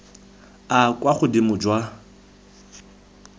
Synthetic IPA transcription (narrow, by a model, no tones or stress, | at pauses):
akwaχʊdimʊd͡ʒwa